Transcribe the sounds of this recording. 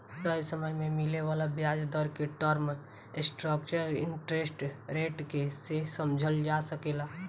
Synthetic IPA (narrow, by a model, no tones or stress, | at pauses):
t̪əjsəməjmẽmɪleʋaːlabjaːd͡ʒd̪əɾkeʈəɾm | sʈɾək̚t͡ʃəɾɪ̰ɳʈɾesʈɾeːʈkesesəmd͡ʒʱəld͡ʒasəkela